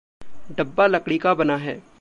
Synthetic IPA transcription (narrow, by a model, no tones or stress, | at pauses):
ɖɐbːalɐkɽikabɐnaɦɛː